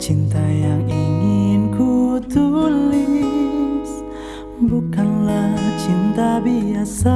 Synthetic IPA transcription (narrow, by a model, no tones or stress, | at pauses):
t͡ʃint̪ajaŋiŋɪnkut̪uli | s | bukanlat͡ʃint̪abiasa